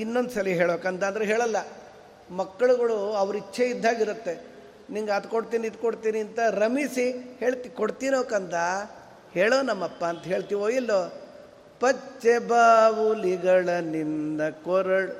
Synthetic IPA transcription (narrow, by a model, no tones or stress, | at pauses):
inːond̪usɐliɦeːɭokɐnt̪ɐnd̪ɐɾeɦeːɭɐlːɐ | mɐkːɐɭuɡɐɭuɐʋɾit͡ʃːʰeid̪ʱːaːɡiɾut̪ːe̞ | niŋɡɐt̪koɽt̪iːnit̪koɽt̪iːniɐnt̪ɐɾɐmisiheːɭt̪ikoɽt̪iːnoːkɐnt̪ɐ | heːɭoːnɐmːɐpːɐːnt̪ɐɦeːɭt̪iːʋoːjilːo | pɐt͡ʃːebaːʋuliɡɐɭɐnindɐkoɾɐɭ